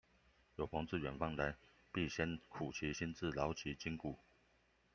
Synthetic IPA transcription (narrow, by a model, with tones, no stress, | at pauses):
jo˨˩ʊpʰɑ˧˥ŋt͡sɹ̩˥˨ɥɛ˨˩nfɑ˥ŋla˨˧˦ɪ | pi˥˩ɕjɛ˦nkʰu˨˩t͡ɕʰi˨˧˦ɕi˦˥nt͡sɹ̩˥˨lɑ˧˦ʊt͡ɕʰi˨˧˦t͡ɕi˥ŋku˨˩